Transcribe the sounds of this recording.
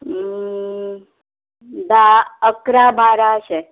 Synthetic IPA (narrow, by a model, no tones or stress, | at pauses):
d̪aəkɾabʱaɾaəɕe